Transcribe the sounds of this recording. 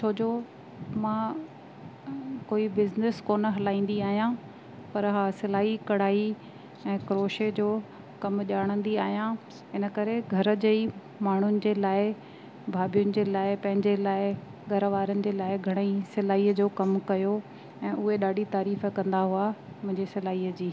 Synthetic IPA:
t͡ɕʰoːd͡ʑoː | mãː | koːibɪznɪskoːnə̆ɦɐlaːĩːn̆d̪iaːɦijã | pɐɾɦaːsɪlaːikɐɽ̤aːi | ɛ̃ːkɾoːʃed͡ʑoː | kɐmʄaːɽ̃ə̃nd̪iaːɦijã | ɪnəkɐɾeɡʱɐɾə̆d͡ʑei | maːɳ̤ʊnɪ̆d͡ʑeːlaːɪ | bʱaːbijʊnɪ̆d͡ʑeːlaːɪpɐ̃ɦɪ̃ɲd͡ʑelaːɪ | ɡʱɐɾəʋaːɾənɪ̆d͡ʑeːlaːɪɡʱɐɽ̃əisɪlaːiːəd͡ʑoːkɐmkɐjo | ɛ̃ːʔʊɦeɗaːɖʱit̪aːɾiːfkɐ̃nd̪aɦua | mʊ̃ɦɪ̃ɲd͡ʑesɪlaːiːəd͡ʑiː

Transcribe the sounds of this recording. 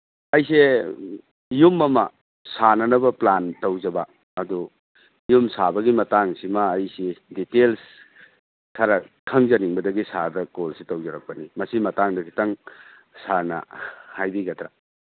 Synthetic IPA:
ɐjse | jumːɐmɐ | sanɐnɐbɐplantɐwzɐbaː | du | jumsabɐɡimɐtaŋsimɐːjsiditels | tʰɐɾɐkʰɐŋzɐniŋbɐdɐɡisadɐkolsitɐwzɐɾɐk̚pɐnimɐsimɐtaŋdɐkʰi̥tɐŋ | sanɐ̰hajbiɡɐtɾa

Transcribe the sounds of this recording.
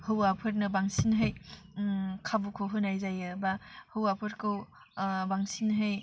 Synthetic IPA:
hɯwapʰɯɾnɐbaŋsinɦɯj | kʰabukʰoɦɯnajzajɯbahɯwapʰɯɾkʰɯw | baŋsinɦɯj

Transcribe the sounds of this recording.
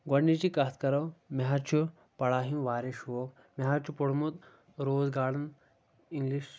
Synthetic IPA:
ɡɐɽːit͡ʃikat̪ʰkɐɾɐwmʲɐɦaɾt͡ʃʰu | pɐɽaːɦinʋaːɾeʃʋoːk | mɐɦaɾt͡ʃʰupoɽmut̪ | ɾoːzɡaːɽɐn | iŋɡliʃ

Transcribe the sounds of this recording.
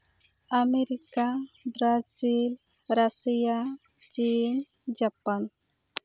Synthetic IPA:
ameɾikabɾad͡ʒil | ɾasija | t͡ʃin | d͡ʒapan

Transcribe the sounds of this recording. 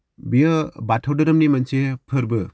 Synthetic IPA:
bijɯbatʰawdɯɾɯmnimɐnsepʰɯɾbɯ

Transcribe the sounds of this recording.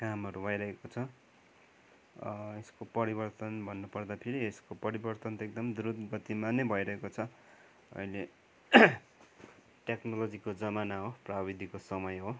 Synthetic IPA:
kamʌɾubʱʌjɾʌɦekot͡sʰʌ | eskopʌɾibʌrt̪ʌnbʱʌnːupʌrd̪apʰeɾieskopʌɾibʌrt̪ʌnt̪ek̚d̪ʌmd̪uɾud̪ɡʌt̪imanʌjbʱʌjɾʌɦekot͡sʰʌ | ʌ̰jle | ʈeknolod͡zikod͡zʌmanaɦoprabid̪ʱikosʌmʌjɦo

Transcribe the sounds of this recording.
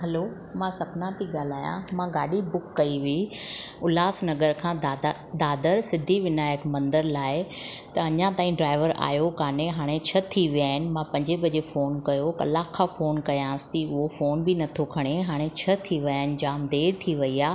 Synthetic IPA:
ɦɐloː | mãːsɐknãt̪ʰiɡaːl̤aːjã̰mãɡaːɖibʊkːɐiʋiiʊlaːsnɐɡəɾkʰãːa | d̪aːd̪əɾsɪd̪ʱiʋɪnaːjəkmɐ̃nd̪əɾlaːɪt̪ɐɐɲãt̪aːĩɖɾaːɪʋəɾa̰ːjokaːñeɦaːɽ̃et͡ɕʰɐt̪ʰiʋijaːɦɪnɪ̆mãpɐ̃ɲd͡ʑebɐd͡ʑefoːnkɐjokɐ̰lakʰːãfoːnkɐjãːst̪iʊɦofoːnbɪnɐt̪ʰokʰɐɽ̃eɦaːɽ̃et͡ɕʰɐt̪ʰiʋiaːɦɪnɪ̆d͡ʑaːmd̪eːɾt̪ʰiʋɐiaː

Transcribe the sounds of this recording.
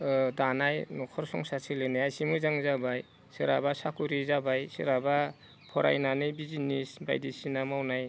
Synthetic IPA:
danajnɔkʰɔɾsɔŋsasʰilɯnajajsimuzaŋzabaj | sɯɾabasakuɾizabajsɯɾaba | pʰɔɾa̰jnanɯjbizinisba̰jdisinamawnaj

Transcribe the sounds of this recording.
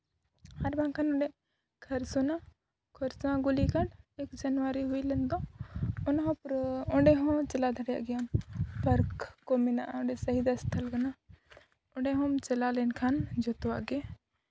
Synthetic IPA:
hɐɾbãŋkʰanʊ̃ɳɖe | kʰɐɾsuna | kʰoɾsãɡʊlikɐʈekd͡ʒɐnʋaɾiɦʊilənd̪õʊnɦõpɾʊ̃ɳɖeɦõt͡ʃɐlad̪ʱəɽja̰ɡjanpɐɾkːomina̰ʊ̃ɳɖesɐɦid̪ɐst̪ʰɐlɡɐna | ʊɳɖeɦõmt͡ʃɐlalenkʰand͡ʒot̪ʋa̰ɡe

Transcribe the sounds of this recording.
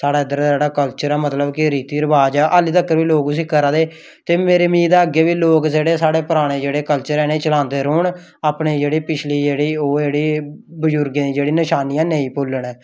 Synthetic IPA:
saːɽaːəd̪əɾd͡ʒeːɽaːkəlt͡ʃəɾɛːmət̪ləbkɪɾiːt̪iːɾəʋaːd͡ʒaːʔaːliːt̪əkːəɾʋiːloːkʊs̬iːkəɾãːd̪eː | t̪eːmeːɾeːmiːd̪aːəɡeːʋiːloːkd͡ʒeːɽeːsaːɽeːpəɾaːɽ̃eːd͡ʒeːɽeːkəlt͡ʃəɾɛːneːt͡ʃəlãːnd̪eːɾoːɳ | aːpɳeːd͡ʒeːɽiːpɪt͡ʃʰliːd͡ʒeːɽiːoːd͡ʒeːɽiːbəd͡ʒʊɾɡẽːd̪iːd͡ʒeːɽiːnəʃaːnijãːneĩːpʊlːəɳɛː

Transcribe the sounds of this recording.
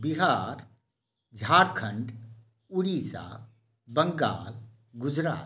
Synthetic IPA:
biɦaːɾ | d͡ʒʱaːɾkʰə̃ɳɖ | ʊɽiːsa̰ | bəŋɡa̰ːl | ɡʊd͡ʒɾa̰ː

